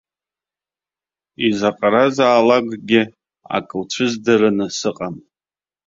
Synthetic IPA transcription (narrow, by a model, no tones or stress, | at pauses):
izaqʼaɾazaːlaɡʼɡʲɪ | a̰kʼɨlt͡ʃʷʰɨzdɨɾɨnɨsɨqʼan